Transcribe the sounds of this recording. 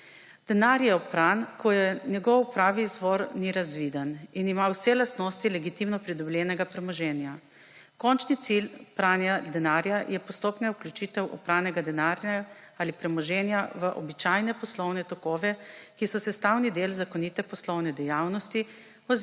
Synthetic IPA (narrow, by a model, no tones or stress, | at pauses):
d̪̥ɛnaɾjɛɔpɾankʰɔjɛnjɛɡɔwpɾaːʋizʋɔɾniɾazʋid̪əninimawsɛlast̪nɔst̪ilɛɡit̪imnɔpɾid̪ɔblʲɛːnɛɡapɾɛmɔʒɛːnja | kɔnt͡ʃnit̪silpɾanad̪ɛnaːɾjajɛpɔst̪oːpnɛuklʲjut͡ʃit̪ɛwʔɔpɾaːnɛɡad̪ɛnaɾaalipɾɛmɔʒɛːnjaʋəʔɔbit͡ʃajnɛpɔslɔwnɛt̪ɔkɔːʋɛkisɔsɛst̪awnid̪eːlzakɔnit̪ɛpɔslɔwnɛd̪ɛjawnɔst̪i | ɔ